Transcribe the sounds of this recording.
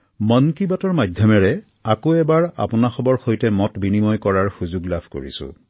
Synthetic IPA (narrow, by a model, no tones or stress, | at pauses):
mɔnkibatɔɹmadʱjɔmɛɹɛ | akoɛbaɹa̰pʊnaxɔbɔɹxojtɛmɔtbinimɔjkɔɹaɹxuzuɡlabʱko̰ɹḭsʊ̰̃